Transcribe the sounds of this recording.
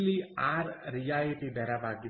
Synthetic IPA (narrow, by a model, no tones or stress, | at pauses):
liaːɾɾijaːliʈid̪ɐɾabʱaːɡi